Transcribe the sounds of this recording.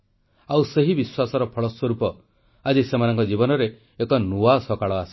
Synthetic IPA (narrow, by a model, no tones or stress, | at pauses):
awseɦibiswasɔɾɔpʰɔɭɔswɔɾupɔ | ad͡ʒisemanɔŋkɔd͡ʒibɔnɔɾeː | kɔnuasɔkaɭɔasi̥